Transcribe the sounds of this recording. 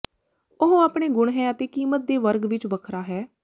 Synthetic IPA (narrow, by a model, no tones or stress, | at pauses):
ʊɦõːaːpɳeːɡʊɳɦɛːət̪eːkiːmət̪̚d̪eːʋəɾɡʋɪt͡ʃʋəkʰɾaːɦɛː